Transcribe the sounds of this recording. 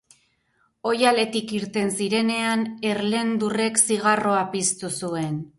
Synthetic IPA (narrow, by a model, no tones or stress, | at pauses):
o̞jale̞t̪ikiɾt̪e̞nsiɾe̞ne̞ane̞ɾle̞nd̪ure̞ksiɣ̞aro̞apist̪usue̞n